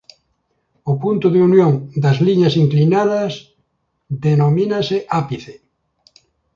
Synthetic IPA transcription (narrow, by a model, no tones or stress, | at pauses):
ʊpunt̪ʊðeunjoŋd̪ɐzliɲasiŋklinaðɐs | ðenominaseʔapiθe